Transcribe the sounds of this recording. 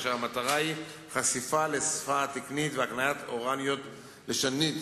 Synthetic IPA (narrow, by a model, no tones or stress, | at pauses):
ʃeamat̪aʁai | χasifalesfat̪iknit̪veaknajat̪o̞ʁanjot̪ | leʃanit̪